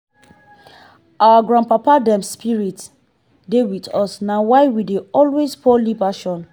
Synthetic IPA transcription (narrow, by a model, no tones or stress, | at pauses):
awaɡɹãnpapadɛ̃mspiɹit | dewitɔsnawaɪwideɔlwespʰɔlibaʃɔ̃n